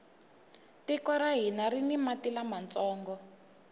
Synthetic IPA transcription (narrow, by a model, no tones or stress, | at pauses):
tikɔɾaɦinaɾinimatilamant͡sɔːŋɡɔ